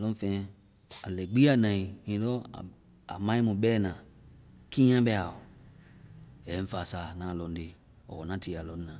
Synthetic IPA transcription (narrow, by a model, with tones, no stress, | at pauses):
lɔ̃˦fɛ̃˨˦ | a˨lɛ˨ɡ͡bi˦a˨nã˨i˨ĩ˨˦dɔ̰˦˨ | a̰˨mã˦i˦mũ˨bɛː˦˨nã˨ | kĩ˦ã˦bɛ˦a˨o˨ | ɛ˨˦ɱ̩˦fa˨sa˨nã˨lɔ˨n˦de˨ | ɔ̰˨ɔ˨nã˦ti˨a˨lɔ˨n˦nã˨